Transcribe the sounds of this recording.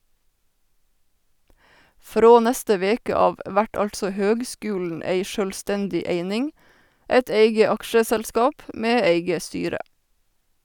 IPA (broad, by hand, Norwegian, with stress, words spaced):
ˈfɾoː ˈnɛstə ˈʋeːkə ˈɑːʋ ˈʔʋæʈ ˈɑltsɔ ˈhøːɡˌskʉːln̩ ˈeɪ ʃœlˈstɛndɪ ˈeɪnɪŋ ˈeɪt ˈeɪɡə ˈɑkʃəsælˌskɑːp ˈmeː ˈeɪɡə ˈstyːɾə